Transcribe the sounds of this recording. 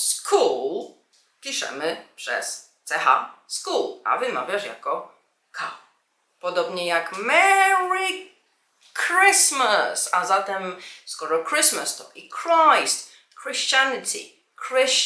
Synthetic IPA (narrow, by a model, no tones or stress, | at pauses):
skʰul | pʲiʂɛ̰mɘpʂɛ̰st̪sɛxa̰skula̰vɨma̰vʲjaʂja̰kɔ | kʰaw | pɔd̪ɔbɲɛjakmɛɹi | kɾɪsmasazat̪ɛmskɔɾɔkɾɪsmast̪ɔʔikɾajst̪ | kɾɛɕt͡ɕant̪ʰḭ | kɾɪɕ